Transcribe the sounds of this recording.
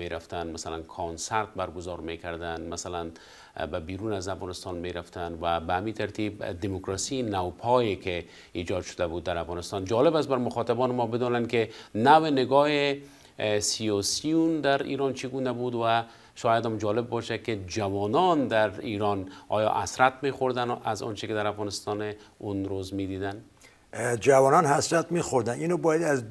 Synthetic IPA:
eɾaft̪anmasalankʰɔnsaɾt̪̚baɾɡʊzɔɾmekaɾd̪anmasalan | babiɾunazafɣɑnɪst̪ɑnmeɾaft̪anwabaamit̪ʰaɾt̪ʰibd̪imokɾɑsinawpʰɔjeke | id͡ʒɒd̪ʃʊ̥d̪abud̪ːaɾafɣɑnɪst̪ɒnd͡ʒɒlɪbast̪baɾmʊxɒt̪abɒnɪmɔbɪd̪ɔnankɪnawɪnɪɡɒɦe | sijɑsijund̪aɾḭɾɒnt͡ʃʰiɡunabud̪wa | ʃɔjad̪ɔmd͡ʒɒlɪbːɔʃaked͡ʒawɔnɔnd̪aɾiɾɔnɒ̰jɒ̰ʔa̰sɾat̪mexoɾd̪anazɔ̰nt͡ʃɪked̪aɾafɣɑnɪst̪ɒnunɾozmed̪id̪an | d͡ʒavɔnɔnhasɾat̪mixoɾd̪aninobɔːjad̪az

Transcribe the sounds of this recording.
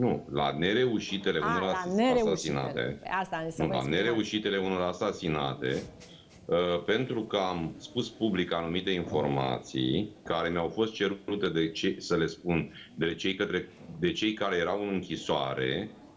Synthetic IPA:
nula̰ne̞ɾe̞uʃit̪e̞le̞unoɾasasina̰t̪e̞̰nula̰ne̞ɾe̞uʃit̪e̞le̞uno̞ɾasasina̰t̪e̞̰ | əpe̞nt̪ɾukəamspuspublikanumit̪e̞info̞rma̰t̪sḭjkaɾe̞mjawfo̞st̪̚t͡ʃe̞ɾɾut̪e̞d̪et͡ʃesəle̞spun | d̪e̞t͡ʃe̞jkət̪ɾe̞ | d̪e̞t͡ʃe̞jkaɾe̞je̞ɾawɨnɨŋkʲisoa̰ɾe̞̰

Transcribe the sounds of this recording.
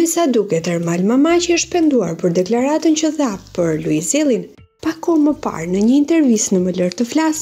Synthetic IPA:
ɛsad̪ukɛt̪ɛɾmalmamat͡ʃəəʃpɛnd̪uaɾpəɾd̪ɛklaɾat̪əncəθapəɾluizɛlˠin | pakɔməpa̰ɾnəɲəint̪ɛɾvisnəmələɾt̪əflas

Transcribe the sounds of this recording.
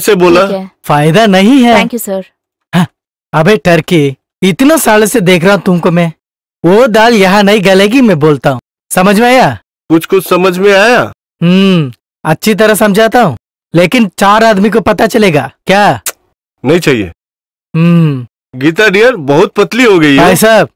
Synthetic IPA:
seboːlafaːɪd̪anɐɦĩɦɛ̃kjusəɾ | ɦã | ɐbʱeːʈɐɾke | ɪt̪nosaːlsed̪eːkʰɾɐɦũt̪ʊmkomɛ̃ː | ʋoːd̪aːljɐɦãnɐɦĩɡɐlɛːɡimɛ̃boːlt̪aɦũː | sɐməd͡ʒʱmẽaːjaː | kʊt͡ʃʰkʊt͡ʃʰsɐməd͡ʒʱmẽaːjaː | ɦ | ɐtːʃʰit̪̬ɐɾəsɐ̃md͡ʒʱaːt̪aɦũː | leːkɪnt͡ʃaːɾaːd̪mik̬opɐt̪at͡ʃɐleːɡaːkjaː | nɐɦĩt͡ʃaːɦijḛː | ɦ | ɡiːt̪̬aɖijəɾbɐɦʊt̪̚pɐt̪liɦoɡɐiɦɛaːisaːb̚

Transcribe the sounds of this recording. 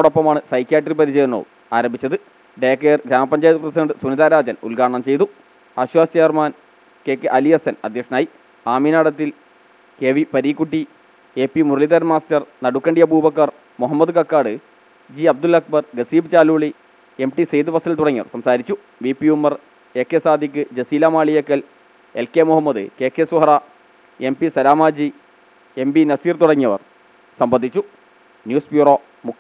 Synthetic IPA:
oɽopːɐmaːɳɨsɐjkːjaːʈripɐɾit͡ɕejunːo̰ | aːɾɐmbʱit͡ɕːɐðɨ | ɖeːkːejrɡɾaːmɐpːɐɲd͡ʑaːjt̪ːuprɐsidɐɳɖɨsuniðaːɾaːd͡ʑɐnṵlɡaːɳɐɳɐmt͡ɕe̞jt̪u | aːɕʋaːst͡ɕeːjɐrmaːn | ke̞ːkːɨʔɐlijɐsɐnɐ̰d̪ʱjɐkʂɐnaːji | aːminaːɽɐt̪ːil | keʋipɐɾiːkːuʈːi | e̞ːpːimuɾɐliðɐɾmaːstɐrnɐɽukːɐɳɖijɐbuːbɐkːɐr | muɦɐmːɐd̪ɨkɐkːaːɽɨ | d͡ʑiɐb̚d̪ulɐk̚bɐrɡɐsiːbɨt͡ɕaːluːɭi | e̞mʈisejd̪ɨbɐsɐlt̪uɽɐŋːiɐʋɐ̰rsɐmsaːɾit͡ɕːu | ʋipːiumːɐr | e̞ːkːeːsaːd̪ik̬ːɨd͡ʑesiːlaːmaːɭijɐkːɐl | elkeːmuhɦɐmːɐðɨ̰ke̞ːkːeːsuɦɐrɐ | e̞mpisɐɾaːmaːd͡ʑi | e̞mbinɐsiːrt̪uɽɐŋːɐʋɐ̰r | sɐmbɐnd̪it͡ɕːu | njuːsbjuːro̞ː | mukː

